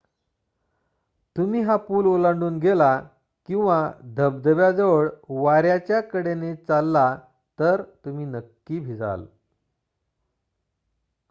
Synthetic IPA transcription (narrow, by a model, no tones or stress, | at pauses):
t̪umiːɦapuːlolãɳɖuːnɡela | kĩw̃ʋad̪ʱəb̚d̪əʋjad͡zəʋəɭʋaɾjat͡ɕjakəɽenet͡salːa | t̪əɾt̪umiːnəkːiːbʱid͡za̰l